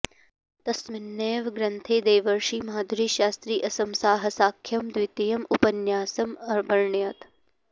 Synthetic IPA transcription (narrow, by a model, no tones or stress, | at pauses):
t̪ɐsmɪnːeːʋɡɾɐnt̪ʰeːd̪eːʋɐɾʃiːmɦaːd̪ʱuɾiːʃaːst̪ɾiːʔɐsɐmsaːɦɐsaːkʰːjɐmd̪wit̪ijɐmupɐnjaːsɐmɐɾbʱɐɾɳjɐt̪